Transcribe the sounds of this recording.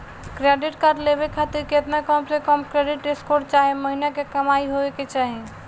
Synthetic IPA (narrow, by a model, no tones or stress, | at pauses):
kɾeɖiʈkaɾɖlebekʰat̪iɾket̪nakɔmsekɔmkɾeɖiʈɖeskoɾɖt͡ʃaɦeməɦinakekəmaiɦoeket͡ʃaɦi